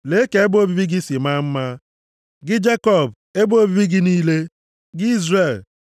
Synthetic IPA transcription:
le˨˦ke˨e˦bo˦bi˦bi˦ɡi˦si˨ma˦m̩˦ma˦ | ɡɪ˦d͡ʒe˦kɔ˦˨b | e˦bo˦bi˦bi˦ɡɪ˦niː˦le˦ | ɡɪ˦i˦zre˨l

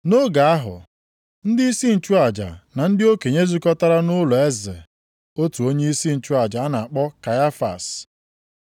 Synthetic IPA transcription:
no˦ɡa˨a˦ɦʊ̰˨ | n̩˦dɪ˦i˦si˦n̩˨t͡ʃu˦a˨d͡ʒa̰˨na˨n̩˦dɪ˦o˦ke˨ɲe˦zu˦kɔ˦ta˦ɾa˦nʊ˦lɔ˨e˦zḛ˨ | o˦tu˨o˦ɲe˦i˦si˦n̩˨t͡ʃu˦a˨d͡ʒa˨a˦na˨a˨k͡pɔ˦ka˨ja˦fa̰˨s

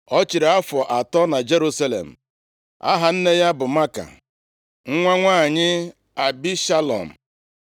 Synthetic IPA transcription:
ɔ˦t͡ʃi˨ɾa˦fɔ˨ʔa˨tɔ˦na˨d͡ʒe˦ɾu˦sa˦lḛ˨m̩˨ | a̰˦ɦa˨n̩˦ne˦ja˦bʊ˨ma˦ka̰˨ | ŋ̩˦ŋʷa˦ŋʷaː˦˨ɲɪ˦ | a˨bi˦ʃa˦lɔ̰˨m̩˨

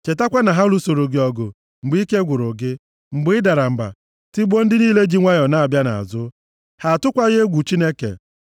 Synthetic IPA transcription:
t͡ʃe˨ta˦kʷa˦na˨ɦa˦lu˦so˨ɾo˨ɡɪ˨ɔ˨ɡʊ̰˨ | ŋ͡m̩˨ɡ͡bi˦ke˦ɡʷʊ˨ɾʊ˨ɡɪ˦ | ŋ͡m̩˨ɡ͡bɪ˦ɪ˦da˨ɾa˨m̩˨ba̰˨ | ti˦ɡ͡bo˦n̩˦dɪ˦niː˦le˦d͡ʒi˦ŋʷa˦jɔ˨na˨a˨bja˦na̰˨a̰˨zʊ˦ | ha˨tʊ˦kʷa˦ɣe˦ɡʷu˨t͡ʃi˦ne˦kḛ˨

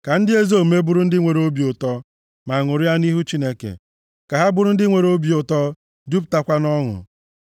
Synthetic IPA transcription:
ka˨n̩˦dɪ˦e˦zo˦˨me˦bʊ˦ɾʊ˦n̩˦dɪ˦ŋʷe˨ɾo˦bi˨ʊ˨tɔ˦ | ma˨ŋʊ˨ɾi˦a˦ni˦ɦu˦t͡ʃi˦ne˦kḛ˨ | ka˨ɦa˦bʊ˦ɾʊ˦n̩˦dɪ˦ŋʷe˨ɾo˦bi˨ʊ˨tɔ˦ | du˦p̬̚ta˦kʷa˦nɔ˦ŋʊ̰˨

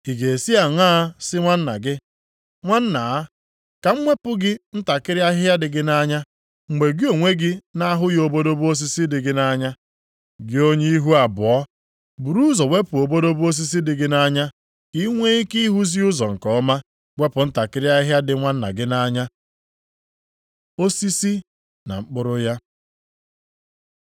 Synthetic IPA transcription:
i˨ɡe˨si˦a˨ŋʷaː˦sɪ˦ŋʷa˦n̩˦na̰˨ɡɪ˦ | ŋʷa˦n̩˦na˨˦ | ka˨ŋ͡m̩˦mʷe˦pʊ˦ɡɪ˦n̩˦ta˨kɪ˦ɾja˦a˦dɪ˨ɡɪ˦na˦ɲa˦ | ŋ͡m̩˨ɡ͡be˨ɡɪ˦o˨ŋʷe˦ɡɪ˦na˦ɦʊ˦jo˨bo˦do˦bu˦o˦s̬i˦si˦dɪ˨ɡɪ˦na˦ɲa˦ | ɡɪ˦o˦ɲe˦i˦ɦu˦a˨bʊ̰˨ɔ˦ | bu˨ɾu˦zɔ˨we˦pʊ˨o˨bo˦do˦bu˦o˦s̬i˦s̬i˦dɪ˨ɡɪ˦na˦ɲa˦ | ki˦ŋʷe˦i˦ki˦ɦu˦zi˦ʊ˦zɔ˨ŋ̩˨kɔ˨ɔ˦ma˦ | wʷe˦pʊ˨n̩˦ta˨kɪ˦ɾɪ˦a˦ɦa˦dɪ˨ŋʷa˦n̩˦na̰˨ɡɪ˦na˦ɲa˦ | o˦si˦si˦ | na̰˨ŋ͡m̩˦k͡pʊ˦ɾʊ˦ja˦

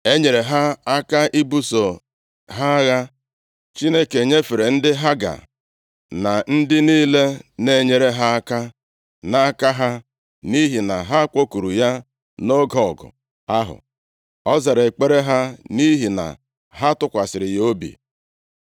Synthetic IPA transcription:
e˦ɲe˨ɾe˨ɦa˦a˦ka˦ʔi˦bu˦so˨ | ɦa˦ɣa˦ | t͡ʃi˦ne˦ke˨ɲe˦fe˨ɾe˨n̩˦dɪ˦ɦa˦ɡa̰˨ | na˨n̩˦dɪ˦niː˦le˦ne˨ɲe˨ɾe˨ɦa˦a˦ka˦ | na˨a˦ka˦ɦa˦ | ni˦ɦi˨na˨ɦa˦kʷo˦ku˨ɾu˨ja˦ | no˦ɡɔ˨ɡʊ̰˨ | a˦ɦʊ̰˨ | ɔ˦za˨ɾe˨k͡pe˦ɾe˦ɦa˦ni˦ɦi˨na̰˨ | ɦa˦tʊ˦kʷa˨sɪ˨ɾɪ˨jo˦bḭ˨

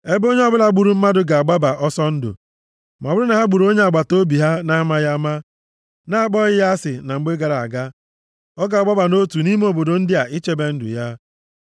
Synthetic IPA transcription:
e˦bo˦ɲ˦ɔ˦bʊ˦la˨ɡ͡bu˨ɾu˨˦m̩˦ma˦dʊ˨ɡa˨a˨ɡ͡ba˦ba˨ʔɔ˦sɔ˦n̩˦dʊ̰˨ | m˨bʊ˦ɾʊ˦na˨ɦa˦ɡ͡bu˨ɾo˦ɲe˦a˨ɡ͡ba˨to˦bi˨ɦa˦na˦ma˦ja˦ma˦ | na˦a˦˨k͡pɔ˦ɣɪ˦ja˦sɪ˨na˨ŋ͡m̩˦ɡ͡be˦ɡa˨ɾa˨a̰˨ɡa˦ | ɔ˦ɡa˨ɡ͡ba˦ba˨no˦tu˨ni˦m˦o˨bo˨do˨n̩˦dɪ˦a˨ʔi˦t͡ʃe˦be˦n̩˦dʊ̰˨ja˦

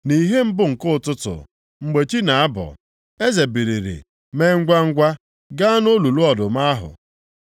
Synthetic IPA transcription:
ni˨ɦe˦m̩˦bʊ˦ŋ̩˨kʊ˦ʊ˨tʊ˦tʊ̰˨ | ŋ͡m̩˨ɡ͡be˨t͡ʃi˦na˨a˦bɔ̰˨ | e˦ze˨bi˨ɾi˨ɾḭ˨ | me˦ŋ̩˦ɡʷa˦ŋ̩˦ɡʷa˦ | ɡa˦a˦no˦lu˨lu˦ɔ˨dʊ˨ma˦ɦʊ̰˨

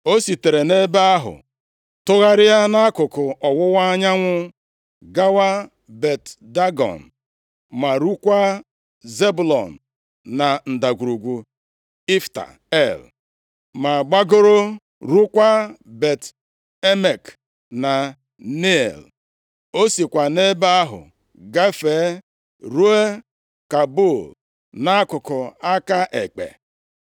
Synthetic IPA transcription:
o˦si˨te˨ɾe˨ne˦ba˦a˦ɦʊ̰˨ | tʊ˦ɣa˦ɾɪ˦ja˦na˦kʊ˨kʊ˨ʔɔ˨wʊ˦wa˦ɲa˦ŋʷʊ˦ | ɡa˦wa˦ | be˨tda˦ɡɔ̰˨n̩˨ | ma˨ɾu˦kʷa˦ | ze˦bu˨lɔ̰˨n̩˨ | na˨n̩˨da˨ɡʷu˨ɾu˨ɡʷu˨ | i˦fta̰˨ | e˦˨l | ma˨ɡ͡ba˦ɡo˦ɾo˦ | ɾu˦kʷa˦be˨t | e˦me˨k | na˨ | ne˦˨l | o˦si˨kʷa˨ne˦ba˦a˦ɦʊ̰˨ | ɡa˦feː˨˦ | ɾu˦e˦ | ka˨bo˦˨l | na˦kʊ˨kʊ˨a˦ka˦ʔe˨k͡pḛ˨

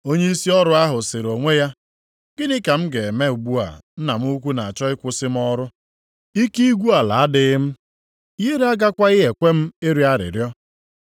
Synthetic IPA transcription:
o˦ɲe˦i˦si˦ɔ˦ɾʊ˨a˦ɦʊ˨sɪ˨ɾo˨ŋʷe˦ja˦ | ɡ̥ɪ˦nɪ˦ka˨m̩˦ɡe˨me˦u˨ɡ͡bu˦a̰˨n̩˦na˨m̩˦u˦kʷu˦na˨a˨t͡ʃɔ˦ɪ˦kʷʊ˦sɪ˦m̩˦ɔ˦ɾʊ˦ | i˦ki˦i˦ɡʷu˦a˨la˨a˦dɪ˦m̩˦ | ɦe˦ɾe˦a˦ɡa˦kʷa˦ɪ˦ɦe˨kʷe˦m̩˦e˦ɾi˦a˦ɾɪ̰˨ɾjɔ˦

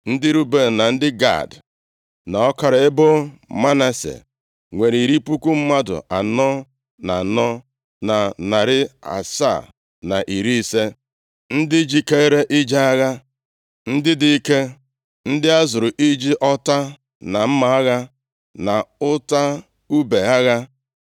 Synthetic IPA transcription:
n̩˦dɪ˦ɾu˦be˦˨na˨n̩˦dɪ˦ɡa̰˦˨d | na˨ɔ˦ka˨ɾa˨ɪ˦bʊ˦ma˦na˦sḛ˨ | ŋʷe˨ɾi˨ɾi˦pu˦ku˦m̩˦ma˦dʊ̰˨ʔa˨nɔ˦ | na˨nɔ˦ | na˨na˨ɾɪ˦a̰˨sa̰˦˨ | na˨ʔi˨ɾi˦i˦se˦ | n̩˦dɪ˦d͡ʒi˨ke˦ɾe˦ʔi˦d͡ʒa˦a˦ɣa˦ | n̩˦dɪ˦di˨i˦ke˦ | n̩˦dɪ˦a˦zʊ˨ɾʊ˨ʔi˦d͡ʒi˦ʔɔ˦ta˦ | na˨m̩˦ma˨a˦ɣa˦ | na˨ʊ˦ta˦ | u˦be˨a˦ɣa˦

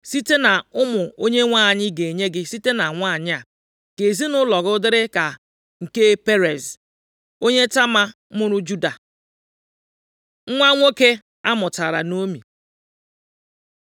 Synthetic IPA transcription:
si˦te˦na˨ʊ˦mʊ˨o˦ɲe˦ŋʷa˦˨ɲɪ˦ɡe˨ɲe˦ɡɪ˦si˦te˦na˨ŋʷa˦˨ɲɪ˦a˨ | ke˨zi˦nʊ˦lɔ˨ɣʊ˦dɪ˦ɾɪ˦ka˨ | ŋ̩˨ke˦pe˦ɾe˨z | o˦ɲe˦ta˦ma˦mʊ˦ɾʊ˦d͡ʒu˦da˨ | ŋ̩˦ŋʷa˦ŋʷo˦ke˦ | a˦mʊ˨ta˨ɾa˨no˦mḭ˨

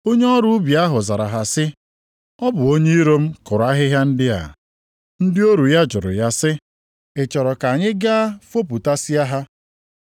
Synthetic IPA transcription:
o˦ɲe˦ɔ˦ɾu˦bja˦ɦʊ˨za˨ɾa̰˨ɦa˨sɪ˦ | ɔ˦bʊ˨o˦ɲe˦i˦ɾo˦m̩˦kʊ˨ɾa˦ɦɪ˦ɦja˦n̩˦dɪ˦a̰˨ | n̩˦dɪ˦o˦ɾu˨ja˦d͡ʒʊ˨ɾʊ̰˨ja˦sɪ˦ | e˨t͡ʃɔ˨ɾɔ˨ka˨ɲɪ˦ɡa˦fo˦pu˨ta˦si˦a˦ɦa˦

